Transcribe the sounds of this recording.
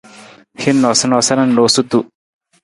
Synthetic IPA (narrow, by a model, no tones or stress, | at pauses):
hinːɔsɐnɔsɐnɐnnoːsut̪u